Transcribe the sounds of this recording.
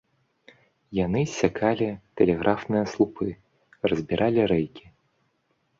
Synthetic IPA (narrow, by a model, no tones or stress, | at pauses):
janɨsʲakʰalʲit̪ɛlʲɛɣɾʔafnɨjɐslˠupʰɨ | rɐzʲbʲiɾʔalʲiɾɛjkʲi̥